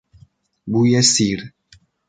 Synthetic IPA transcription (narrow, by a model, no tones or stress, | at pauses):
bujɛsiɾ